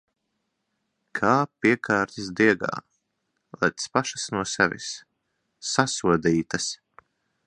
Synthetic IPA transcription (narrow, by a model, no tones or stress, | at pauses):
kʰaːpʲiɛkʰaːɾt̪ʲisd̪iɛɡa̰ː | lˠɛ̰t̪spaʃasnuɔsɛvʲḭsː | asuɔd̪iːt̪as